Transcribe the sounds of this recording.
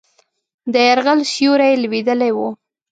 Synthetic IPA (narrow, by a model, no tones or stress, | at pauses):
d̪əjaɾɣalʃjuɾajlwed̪əlajwu